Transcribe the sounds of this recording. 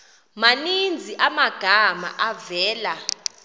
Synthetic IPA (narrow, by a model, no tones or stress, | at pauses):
manind͡zʱiʔamaɡ̥ʱama̰ʔavɛːla